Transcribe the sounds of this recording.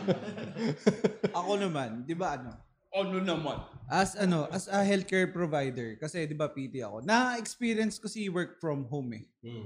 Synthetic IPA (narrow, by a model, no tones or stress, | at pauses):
ʔɐko̞nɐmand̪ɪbaʔɐno̞ | ʔononɐmanʔɐsʔɐno̞ʔɐsɐɦɛlt̪̚kɛːɹpɹovajd̪ɛɹkɐsɛd̪ɪbapiːt̪ɪɐ̰ko̞nɐʔɛkspiːɾjɐnskɐsiwɛɹk̚fɹɐmɦomɛ̰